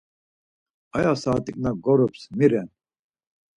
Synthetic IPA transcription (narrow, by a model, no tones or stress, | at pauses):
ajasaːt̪ʼikʼnaɡɔɾupsmiɾɛn